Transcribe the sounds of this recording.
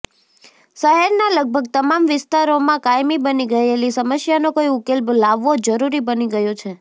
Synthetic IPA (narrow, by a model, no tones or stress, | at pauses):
səɦɛɾnaləɡ̚bʱəɡ̚t̪əmamʋɪst̪aɾomãkajmibəniɡəelisəməsjanokoiʊkelblaʋːod͡ʒəɾuɾibəniɡəjot͡ʃʰe